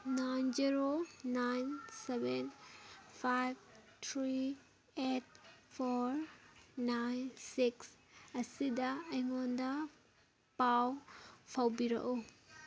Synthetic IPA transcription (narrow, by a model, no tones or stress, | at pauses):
najnziɾonajnsebenpʰajb̚tʰɾi | et̚pʰɔɾnajnsiksɐsidɐːjŋɔndɐ | pawpʰawbiɾɐ̰ʔu